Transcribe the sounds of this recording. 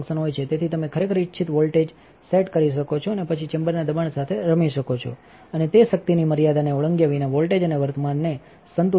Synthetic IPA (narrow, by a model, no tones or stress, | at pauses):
ksənɦojt͡ʃʰet̪et̪ʰit̪əmekʰəɾekʰəɾitːʃʰit̪ʋolʈed͡ʒ | seʈkəɾiʃ̬əkot͡ʃʰoənepət͡ʃʰit͡ʃembəɾnad̪əbaɳsat̪ʰeɾəmiʃəkot͡ʃʰo̰ | ənet̪eʃək̚t̪iniməɾijad̪aneoɭəŋɡjaʋinaʋolʈed͡ʒəneʋəɾt̪əmanːe | sənt̪u